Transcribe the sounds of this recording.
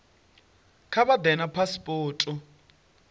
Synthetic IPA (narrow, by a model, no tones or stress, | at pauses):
kʰaβad̪ɛnapʰaspʼɔːtʼu